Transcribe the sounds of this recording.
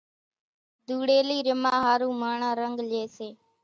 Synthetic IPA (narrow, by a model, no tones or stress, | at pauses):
d̪uːɽeːliːɾɪmaːɦaːɾuːmaːɳãːɾəŋɡleːseː